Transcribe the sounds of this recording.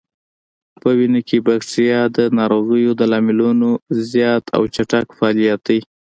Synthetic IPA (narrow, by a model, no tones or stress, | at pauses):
pəwinəkʰebakʈijɑd̪ənɑɾoɣəjod̪əlɑmɪlunozjɑt̪ʰa̰wt͡ʃaʈakfɑːlijat̪̚d̪aj